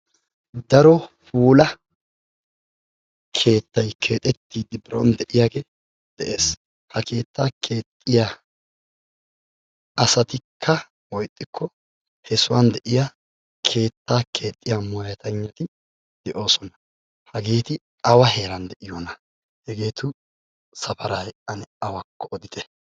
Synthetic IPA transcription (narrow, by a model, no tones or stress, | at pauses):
d̪ɐɾɔfuːlɐ | kʰe̞ːt̪ːɐjkʰe̞ːt̪ʼɛt̪ːiːd̪ɪbɪɾo̰nd̪ɛʔɪjaːɡeː | d̪̥ɛʔeːs | hɐke̞ːt̪ːaːkʰe̞ːt̪ʼːɪja | ɐsɐt̪ɪkʰːɐ | wɔjt̪ʼːɪkːɔ | hɛsʊwand̪ɛʔɪja | kʰe̞ːt̪ːaːkʰe̞ːt̪ʼːɪjamɔjɐt̪ɐɲːɐt̪ɪ | d̪̥ɛʔo̞ːsɔnɐ̥ | hɐɡe̞ːt̪ɪ | ɐwɐɦe̞ːɾɐnd̪ɛʔɪjɔnɐ | hɛɡe̞ːt̪ʊ | sɐfɐɾajɐnɛɐwɐkːɔɔd̪ɪt̪ɛ